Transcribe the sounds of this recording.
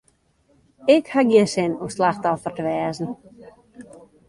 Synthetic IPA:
ɪkhaɡjiənsɪnuslaxtɔfərtəʋɛːzn̩

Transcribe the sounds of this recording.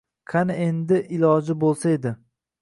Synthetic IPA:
kʰanɪend̪ɪʔɪlɒd͡ʒɪbolˠsae̞d̪ɪ

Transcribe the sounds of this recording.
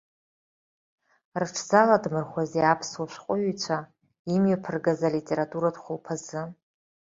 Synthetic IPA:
rɨʈ͡ʂʰzaladmɨrχʷazeapʰswaʃʷqʷʼʊɥit͡ɕʷʰa | imɥapʰɨrɡazalitʼeɾatʼuɾadχʷʊlpʰazɨ

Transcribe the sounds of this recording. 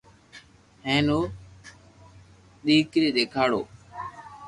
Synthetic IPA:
ɦẽːnoː | ɗ̪iːkɾiːɗ̪eːkʰaːɽo̰ː

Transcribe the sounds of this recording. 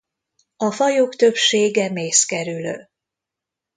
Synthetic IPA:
ɒfɒjoːkt̪ø̞pʃeːɡɛmeːskɛɾylø̰ː

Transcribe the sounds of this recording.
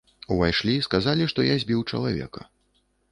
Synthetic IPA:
uvajʂlʲiskazalʲiʂt̪ɔjazʲbʲiwt͡ʂɐ̰lˠavʲɛ̰kɐ̰

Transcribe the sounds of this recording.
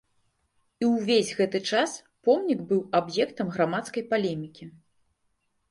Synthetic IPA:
iwvʲezʲɣɛt̪ɨt͡ʂas | pɔmnʲiɡbɨwabjɛkt̪ɐmɣɾamat̪skɐjpalʲɛmʲikʲi

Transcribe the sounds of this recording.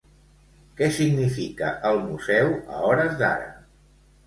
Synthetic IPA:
kɛsiɡnifikəʔəlˠmuzɛwə̰ɔɾəzd̪a̰ɾə̰

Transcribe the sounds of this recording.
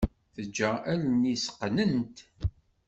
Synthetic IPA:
θəd͡ʒːæʔælnisə̥qːnənt̪

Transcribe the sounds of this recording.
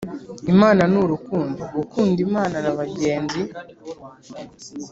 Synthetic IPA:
imaːnanuɾukuːndoukuːndimaːnanaβaɟe̞ːnzi

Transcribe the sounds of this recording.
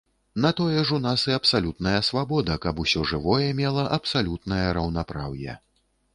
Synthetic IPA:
nɐt̪ɔjɛʐunasɨɐpsalʲut̪nɐjɐsvabɔd̪ɐkɐbusʲɔʐɨvɔjɛmʲɛlˠɐʔɐpsalʲut̪̚nɐjɐɾɐwnapɾawjɛ̰

